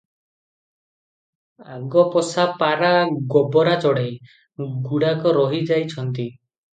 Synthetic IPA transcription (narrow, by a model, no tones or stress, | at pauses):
aɡɔpɔsapaɾaɡɔbɔɾat͡ʃɔɽej | ɡuɽakɔɾɔɦid͡ʒajt͡ʃʰɔnt̪i